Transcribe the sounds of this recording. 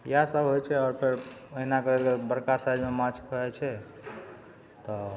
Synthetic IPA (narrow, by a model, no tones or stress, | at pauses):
jɦasəbɦojt͡ʃʰɛɔɾpʰeɾəɦinakəɾɛlɡeɾbəɾkasajd͡ʒmemãt͡ʃʰkəɛt͡ʃʰɛ | t̪ɔ